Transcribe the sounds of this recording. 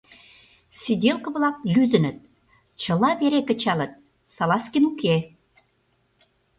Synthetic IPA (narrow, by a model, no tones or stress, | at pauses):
sid̪ʲelkə̆βlɑk̚lyd̪ə̆nə̆t̪̚ | t͡ɕə̆lɑβeɾekə̆t͡ɕɑlə̆t̪̚ | sɑlɑskinuke